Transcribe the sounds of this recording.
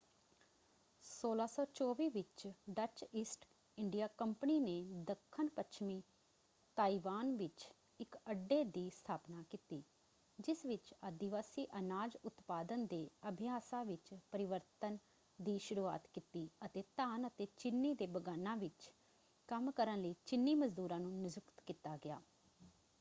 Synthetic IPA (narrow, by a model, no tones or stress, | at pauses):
soːlaːsɔːt͡ʃɔːʋiːʋɪt͡ʃɖət͡ʃiːsʈ | ɪɳɖijaːkəmpəniːneːd̪əkʰːənpət͡ʃʰmiː | t̪aːiʋaːnʋɪt͡ʃ | ɪkəɖːeːd̪iːst̪ʰaːpnaːkiːt̪iː | d͡ʒɪsʋɪt͡ʃəd̪ɪʋaːsiːʔənaːd͡ʒʊt̪paːd̪ənd̪eːəbʱɪjaːsãːʋɪt͡ʃpəɾɪʋəɾt̪ən | d̪iːʃʊɾuːa̰ːt̪kiːt̪iːət̪eːt̪aːnət̪eːt͡ʃɪnːiːd̪eːbəɡaːnːãːʋɪt͡ʃ | kəmkəɾənləiːt͡ʃɪnːiːməzd̪uːɾãːnũːnɪzʊkt̪kiːt̪aːɡɪja̰ː